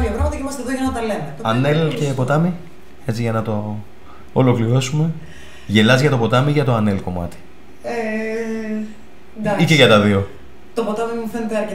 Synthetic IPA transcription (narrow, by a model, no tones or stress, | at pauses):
opɾomɐt̪ɐeimɐst̪eðoʝɐnɐt̪ɐle̞meɐnelcepo̞t̪ɐmi | e̞t͡siʝɐnɐt̪o̞ː | lo̞kliɾo̞sume̞ | ʝe̞lɐzʝɐt̪o̞po̞t̪ɐmiʝɐt̪oɐne̞lko̞mɐ̰t̪i̥ | e | niceʝɐt̪ɐðio̞ | t̪opot̪ɐmimuθenet̪eɐɾe